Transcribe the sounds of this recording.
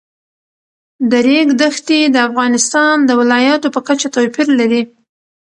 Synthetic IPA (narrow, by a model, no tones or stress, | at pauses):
d̪əɾeɡd̪əxt̪id̪əafɣɑnɪst̪ɑnd̪əwɪlɑjɑt̪opəkat͡ʃat̪owpiɾlaɾi